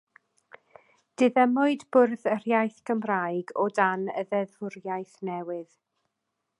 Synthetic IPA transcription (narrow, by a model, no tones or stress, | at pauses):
d̥ɨðəmʊɨdbʊrθər̥jajθɡəmrajɡɔdanə̰ðɛðʊrjajθnɛwɪð